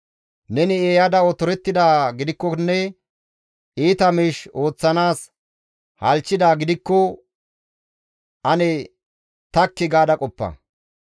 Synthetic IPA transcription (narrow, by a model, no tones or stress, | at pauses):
nɛnɪeːjɐd̪ɐɔt̪ɔɾɛt̪ːɪd̪aːɡɪd̪ɪkːɔnːɛ | iːt̪ɐmiːʃo̞ːt͡sːɐnaːs | hɐlt͡ʃːɪd̪aːɡɪd̪ɪkːɔ | ʔɐnɛ | t̪ɐkːɪɡaːd̪ɐkʼɔpːɐ̰